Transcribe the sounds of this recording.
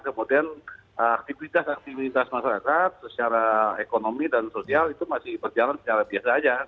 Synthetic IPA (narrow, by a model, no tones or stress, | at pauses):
kəmudianəak̚t̪ivit̪asak̚t̪ivit̪asmaʃaɾakat̪̚sət͡ʃaɾaekonomidansosialit̪umasɪhbərd͡ʒalansə̥t͡ʃaɾabiasaːd͡ʒa